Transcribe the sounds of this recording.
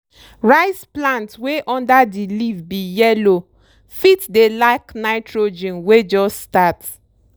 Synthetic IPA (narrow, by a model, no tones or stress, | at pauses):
ɹaɪsplãntweʔɔ̃ndadilivbijɛlo | fitdelaɪknaɪtɹod͡ʒɛ̃nwed͡ʒɔstat